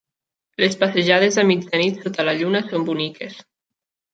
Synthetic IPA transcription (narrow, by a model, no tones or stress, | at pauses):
lespaseʒað̞ezðəmid͡ʒənit̪sot̪alaʎunasombunikʰes